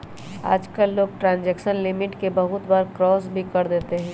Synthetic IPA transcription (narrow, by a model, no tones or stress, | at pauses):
a̰ːd͡ʒkəlːoːɡ̚ʈɾãːnd͡ʒɛːkʃənlɪmɪʈkebɐɦʊt̪baːɾkɾɔːs̬bʱikɐɾd̪eːt̪eɦɛ̃ː